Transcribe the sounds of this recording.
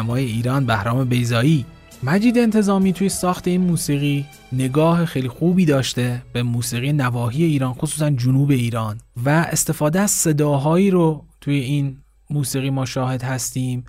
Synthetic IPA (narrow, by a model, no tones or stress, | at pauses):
mɒːje̞iːɾɒːnbæhɾɒːme̞be̞jzɒːiː | mæd͡ʒiːd̪eːnt̪ʰe̞zɒːmiːt̪ʰuːjesɒːxt̪ʰe̞iːnmuːsiːɣiː | ne̞ɡɒːhe̞xejliːxuːbiːd̪ɒːʃt̪e̞be̞muːsiːɣijenævɒːɦiːje̞iːɾɒːnxosuːsænd͡ʒʊnuːbe̞iːɾɒːnvæest̪e̞fɒːd̪eæz̥se̞d̪ɒːɦɒːiːɾot̪ʰuːje̞iːn | muːsiːɣiːmɒːʃɒːhe̞d̪hæst̪iːm